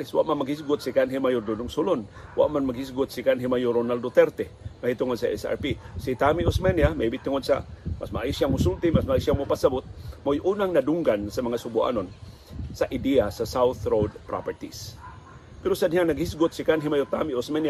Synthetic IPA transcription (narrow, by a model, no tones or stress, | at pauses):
ɪswa̰ʔmanmaɡhis̬ɡʊt̪̚sikanɦimajʊɾd̪udʊŋsʊlonwa̰ʔmanmaɡhis̬ɡʊt̪̚sikanɦimajʊɾonald̪ot̪ɛɾt̪ɛmahit̪ʊŋod̪̚saʔɛ̰sa̰ɾpisit̪amiosmanjamaibɪt̪ːʊŋod̪̚sa̰ma̰smaʔajsjamʊsult̪ɪmasmaʔjsjaŋmʊpasabʊt̪̚mojʔuːnaŋnadʊŋɡansamaŋasʊbua̰non | saʔid̪iasasawθɾowdpɾa̰pɛɾt̪is | pɛɾosanihaŋnaɡhis̬ɡʊt̪̚sikanɦimajot̪amiosmanja